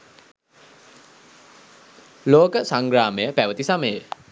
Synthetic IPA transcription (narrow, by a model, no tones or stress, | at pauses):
loːkəsaŋɡɾaːməjəpæʋət̪isaməjə